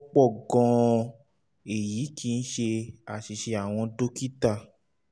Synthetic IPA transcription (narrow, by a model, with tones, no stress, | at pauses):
k͡pɔ˦˨ɡɔ̃˧ | e˨ji˨˦ki˦˧n̩˦ʃe˧a˨ʃi˧ʃe˧a˨w̃ɔ̃˧do˦ki˦ta˧